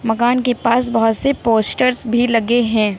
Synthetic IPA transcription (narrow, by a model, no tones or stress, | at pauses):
mɐkaːnkepaːsbɐɦʊt̪sepoːsʈəɾzbʱilɐɡeɦɛ̃ː